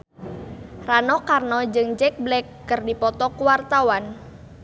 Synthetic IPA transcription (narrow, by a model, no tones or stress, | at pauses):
ranɔkarnɔd͡ʒɨŋd͡ʒɛk̚blɛkːərdipɔt̪ɔkuwart̪awan